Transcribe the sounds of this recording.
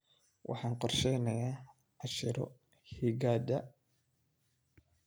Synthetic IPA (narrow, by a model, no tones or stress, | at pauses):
wʔɑ̰ħɑːnqɔrʃɛjnɐjaː | ʕɑʃɪɾɔ̰ | hiɡaːd̪ɐ